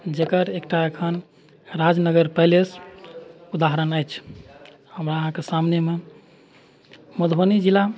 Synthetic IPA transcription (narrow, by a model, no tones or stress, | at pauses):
d͡ʒekəɾekʈaekʰən | ɾad͡ʒnəɡəɾpəɦɪles | ud̪aɦəɾənəjt͡ʃʰ | həmɾaəɦãkesamneme | məd̪ʱonid͡ʒila